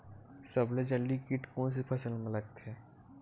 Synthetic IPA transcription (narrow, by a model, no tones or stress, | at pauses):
səbled͡ʒəlːikɪʈkõːns̬epʰɐsəlmələk̚t̪ʰeː